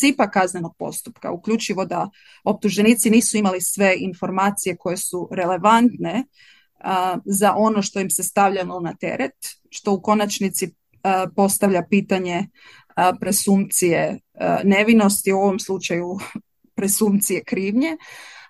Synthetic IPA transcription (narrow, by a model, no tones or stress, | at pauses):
sipakazne̞no̞ɡ̥̚po̞̰st̪u̥pka̰ukʎʲut͡ʃiʋo̞d̪a | o̞p̚t̪uʒeniːt̪siniːsuimalisʋe̞ʔinfo̞ɾmaːt̪sije̞ko̞je̞suɾe̞le̞ʋant̪ne̞ | zaʔo̞no̞ʃt̪o̞jimse̞st̪aʋʎanonat̪e̞̰ɾet̪ | ʃt̪o̞uko̞nat͡ʃnit̪si | po̞st̪aʋʎapiːt̪aɲe̞ | pɾe̞sumt̪sijene̞ʋino̞st̪iuo̞ʋo̞mslˠut͡ʃaju | pɾe̞sumt̪sije̞kɾiːʋɲe̞